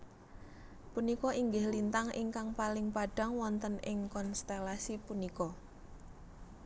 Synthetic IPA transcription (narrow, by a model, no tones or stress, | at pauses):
punikɔʔiŋɡɪhlint̪aŋʔɪŋkaŋpalɪŋpaɖ̥a̤ŋwɔnt̪ənʔɪŋkɔnst̪elasipunikɔ